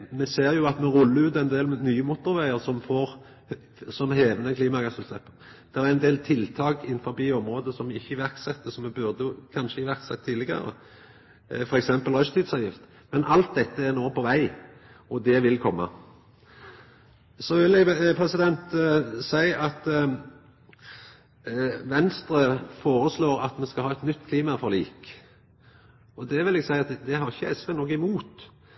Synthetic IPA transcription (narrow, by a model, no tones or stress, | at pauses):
mɛseːʁjʊɑt̪mɛʁʉlːəɾʉːt̪ɛɪnd̪eːlnyːəmut̪ʊʁʋæɪəʁsɔmfoːʁ | sɔmheːʋnəkʰliːmɑɡɑsʉlt̪ɛpːə | d̪̥ɛʁæɾɛnd̪eːlt̪ʰɪlt̪ʰɑːkɪnfɔbiːɔmʁoːd̪əsɔmɪçːəɪʋæʁksɛt̪ːəsɔmɛbʉʁd̪əkʰɑnʃəɪʋæʁksɛt̪ʰːiːlɪɡɑ̰ɾə̰ | fɔɾɛksɛmpəlʁœʃt̪ʰiːd̪sɑːʋjɪft̪ | mɛnʔɑlt̪̚d̪ɛt̪ːəæʁnoːpʰɔʋæɪ | ɔd̪ɛʋɪlkʰɔmːɑ̰ | sɔʋɪlɛpʰɾɛsɪd̪ɛnt̪sæɪɑt̪ | ʋɛnst̪ɾəfoːɾəsloːɾɑt̪mɛnskɑlhɑːɛt̪nʏt̪ːkʰliːmɑfɔʁlḭːk | ɔd̪ɛʋɪlɛɡsæɪɑt̪d̪ɛɦɑʁɪçːəɛsʋɛnɔkːɪmuːt̪